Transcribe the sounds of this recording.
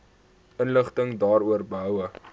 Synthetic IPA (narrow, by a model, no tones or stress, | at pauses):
ənləχtəŋdɑːɾuərbəɦœwə